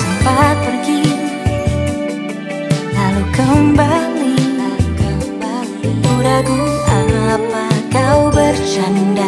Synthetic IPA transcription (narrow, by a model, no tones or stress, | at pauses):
səpapərɡi | lalukawmbalilalukawba | liulaɡuapakawbərt͡ʃanda